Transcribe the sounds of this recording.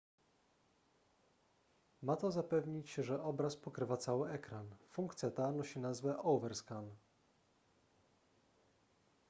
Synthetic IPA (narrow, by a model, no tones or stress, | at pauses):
mat̪ɔzapɛvɲit͡ɕʐɛʔɔbɾaspɔkɾɘvat̪sawɘɛkɾanfuŋkt̪sʲjat̪anɔɕinazvɛʔɔwvɛɾskan